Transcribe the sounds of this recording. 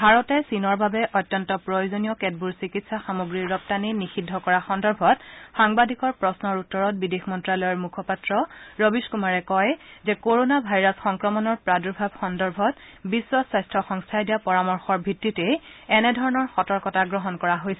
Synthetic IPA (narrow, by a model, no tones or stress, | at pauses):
bʱaɹɔtɛsinɔɹbabɛʔɔjtːjɔntɔpɹojozonijɔkɛd̚buɹsikitsaxamoɡɹiɹːɔp̚taninixidʱːɔkɔɹaxɔndɔɹbʱɔtxaŋbadʱikɔɹpɹɔsnɔɹutːɔɹɔt̚bidexmɔntɹalɔjɔɹmukʰɔpatɹɔɹɔbiskumaɹɛkɔjzɛkoɹonabʱajɹasxɔŋkɹɔmɔnɔɹpɹaduɹbʱabxɔndɔɹbʱɔtbiswɔsajstʰɹɔxɔŋstʰajdijapɔɹamɔɹxɔɹbʱitːitɛjɛnɛdʱɔɹɔnɔɹxɔtɔɹkɔtaɡɹɔɦɔnkɔɹaɦojsɛ